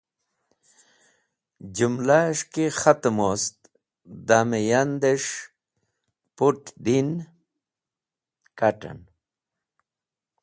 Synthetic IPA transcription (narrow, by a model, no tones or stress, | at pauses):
d͡ʑumlaʂkixat̪most̪ | d̪amejand̪eʂ | puʈd̪in | kaʈa̰n